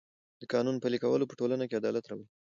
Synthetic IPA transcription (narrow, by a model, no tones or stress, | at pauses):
d̪əkɑnunpəlikawəlopəʈolanakead̪ɑlat̪ɾawəl